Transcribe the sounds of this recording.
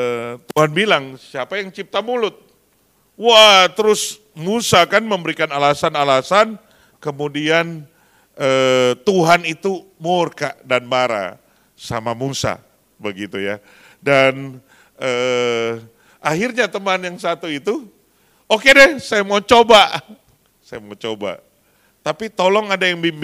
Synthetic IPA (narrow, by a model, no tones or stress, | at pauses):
t̪uɦanbilaŋsiapajaŋt͡ʃip̚t̪amulʊt̪̚ | wat̪əɾʊs | musakanməmbəɾikanalasanalasan | kəmudian | ʔəːt̪uɦanit̪umʊrkaʔdanbaɾa̰ | sa̰mamusa̰ | bəɡit̪uja | dan | əː | ʔahirɲat̪əmanjaŋsat̪uit̪u | okedɛhsajamat͡ʃobaʔ | sajamat͡ʃoba̰ | t̪apit̪olɔŋadajaŋbim